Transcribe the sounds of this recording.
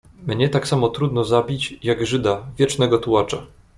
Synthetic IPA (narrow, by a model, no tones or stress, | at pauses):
mɲɛt̪aksamɔt̪ɾud̪nɔzabʲit͡ɕjaɡʐɘd̪avʲjɛt͡ʂnɛɡɔt̪uat͡ʂa